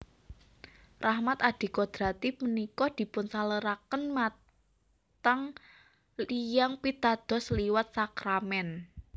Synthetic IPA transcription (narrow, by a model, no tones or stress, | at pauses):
rahmat̪ad̪̥i̤kɔd̪̥ɾat̪ipənikɔd̪̥i̤pʊnsaləɾakənma | t̪aŋ | lijaŋpit̪ad̪̥ɔ̤sliwət̪̚sakɾamɛn